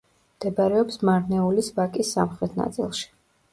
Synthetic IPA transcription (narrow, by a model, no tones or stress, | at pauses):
md̪̥ɛbaɾɛɔpsmaɾnɛulisvakʼisːa̰mχɾɛt̪ʰna̰t̪sʼḭlˠʃi̥